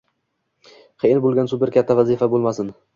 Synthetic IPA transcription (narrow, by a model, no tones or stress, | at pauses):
χeɪnbolˠɡʲansʊpɪɾkʲat̪ʰːavazɪfabolˠmasɪn